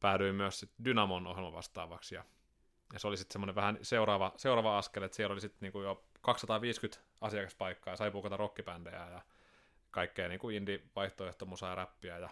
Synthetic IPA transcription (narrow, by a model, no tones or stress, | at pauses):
pæːlyimyøssit̪dynɑmonohelmɑʋɑ̰st̪ɑ̰ːʋɑksjɑ̰ | jɑseolisit̪semːoneʋʋæhænseurɑːʋɑseurɑːʋɑɑskelet̪sielolisit̪niːŋkujokɑksːɑt̪ɑːʋiːskyt̪ | ɑsiɑkɑspɑikːɑːjɑsɑipukɑt̪ɑrokːipænd̥ḛæjɑ | kɑikːeːniːŋkuindiʋɑiht̪oeht̪omusɑjɑræpːiæjɑ